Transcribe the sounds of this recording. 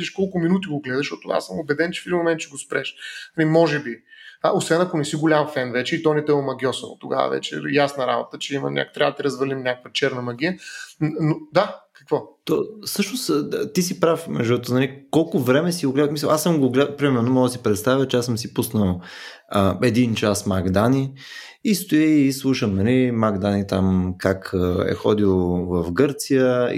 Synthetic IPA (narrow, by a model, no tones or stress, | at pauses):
iʃkɔlˠkʊminut̪̬iɡoɡlɛd̪ɐʃtɔt̪ʊa̰səmobɛd̪ɛnt͡ʃɛ̥fid̪imomɛnt̪t͡ʃɛɡospɾɛʃnalimɔʒɛbiosvɛnɐkonɛsiɡʊlʲamfɛnvɛt͡ʃɛit̪ɔnit̪ɛomɐɡʲɔsono̰t̪ʊɡa̰və̰vɛ̰t͡ʃɛ̰jasnɐɾa̰bot̪ət͡ʃɛimɐ̰nʲa̰kt̪ɾʲavɐd̪ɐt̪iɾɐzvəlimnʲakəkvɐt͡ʃɛɾnɐmɐɡʲijənod̪akɐ̥kvɔt̪osɤʃnost̪isipɾafmɛʒd̪uɛt̪onalikɔlˠkʊvɾɛmɛsiʊɡlɛd̪əfmisəʔasəmɡoɡlɛd̪əpɾimɛɾnomɔɡ̪əsipɾɛt̪st̪avʲjət͡ʃɛasəmsipusnəlˠ | əɛd̪int͡ʃasmaɡd̪ani | ist̪oiːslˠuʃəmnɐlimaɡd̪anit̪amkakɛ̰xɔ̰d̪ilˠovɐfɡɤɾt̪sijə̰